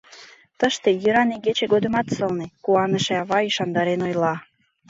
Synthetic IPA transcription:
t̪əʃt̪ejyɾɑneɡet͡ɕeɡod̪ə̆mɑt̪səlnekuɑnəʃeɑβɑiʃɑnd̪ɑɾenojlɑ

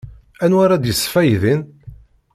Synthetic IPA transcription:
ænwaɾad̪jəsːfæjðin

